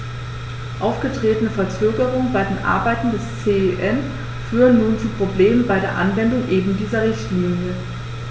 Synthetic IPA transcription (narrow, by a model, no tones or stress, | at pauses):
ʔaʊfɡ̥ətʁ̥eːtənəfɛɐt͡søːɡəʁ̞ʊŋənbaɪdeːnʔa̰ɐbaɪtn̩dɛst͡seːʔɛn | fyːʁənːuːnt͡suːpʁ̥obleːmənbaɪɾeːɐʔanvɛndʊŋʔeːbm̩diːzɐʁɪçtliːnjə